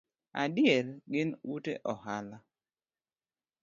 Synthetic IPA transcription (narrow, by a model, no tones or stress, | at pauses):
adɪjɛlɡɪnwutḛʔɔhala